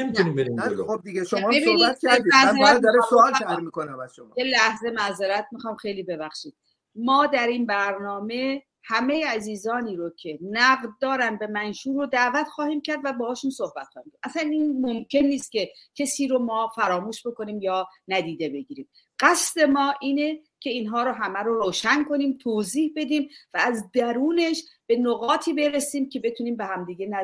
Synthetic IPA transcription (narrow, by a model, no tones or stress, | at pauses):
nemiunimbeɾixob̚d̪iɡeʃomːebioniæt̪kʰæɾimæzeɾæd̪ɒɾesoɒːlʃæɾmiːkonæmæzʃomɒjelæhze̞mæzeɾæt̪̚ʰmixɒːmxejliːbe̞bæxʃiːd̪̥̚ | mɒːd̪æɾiːnbæɾnɒːme̞ | hæme̞jeæziːzɒːniːɾocʰe̞næɣd̪d̪ɒːɾænbe̞mænʃuːɾod̪æʔvæt̪xɒːhiːmcʰæɾd̪væbɒːhɒːʃunso̞hbæt̪xɒːhiːmkcʰæʔæsæniːnmomcʰe̞nːiːst̪̚ce̞cʰesiːɾomɒːfæɾɒːmuːʃbo̞ko̞niːmjɒːnæd̪iːd̪e̞be̞ɟiːɾiːm | ɢ̥æsd̪e̞mɒːʔiːnecʰeiːnɦɒːɾoɦæmæɾoɾoːʃænko̞niːmt̪ʰoːziːhbe̞d̪iːmvæːzd̪æɾuːne̞ʃb̥e̞noɣɒːt̪ʰiːbe̞ɾesiːmcʰe̞be̞t̪ʰuniːmbehæmd̪iːɟe̞næ